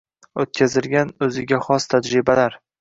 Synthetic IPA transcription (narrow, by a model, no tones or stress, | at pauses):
ot̪̚kʲʰazɪlɡʲanɵzɪɡʲaχɒst̪ʰad͡ʒɾɪbalaɾ